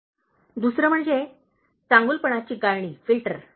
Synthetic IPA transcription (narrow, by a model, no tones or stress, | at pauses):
d̪usɾəm̤əɳd͡ze | t͡sãŋɡulpəɳ̃at͡ɕiːɡaɾɳiːfilʈəɾ